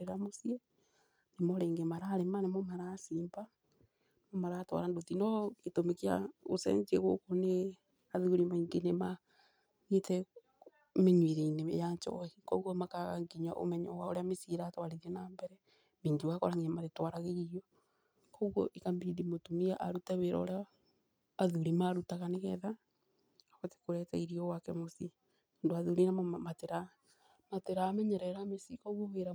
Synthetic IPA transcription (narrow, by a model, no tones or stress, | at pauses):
eɾamosiɛ | nemoɾeːŋɡemaɾaːɾemanemomaɾasiːmba | nemomaɾaːtwa̰ɾandotinɔketomekia̰ɣosɛ̰ɲkeɣokone | aðuuɾimaiŋɡenema | ɣitɛ | meɲwiɾeinḛjaɲt͡ʃɔ̰hikɔɣɔmakaɣaŋɡiɲaʔo̰mɛɲɔwaoɾeamesiɾaːtwaɾiɾɛnaːmbɛɾɛ | miːŋɡiwakɔɾaŋɡiɲamaɾetwaɾaɣeiɾjɔ | kɔɣɔ̰ʔikambidimotumiaʔaɾutaβeɾɔ̰o̰ɾeaː | ðuɾimaɾutaɣaneɣɛ̰ða | aɣɔte̥koɾɛtaiɾiɔwakɛmosi | ndoaðuɾinamateɾa | mateɾaːmɛɲɛɾɛɾamesikɔɣɔβeɾa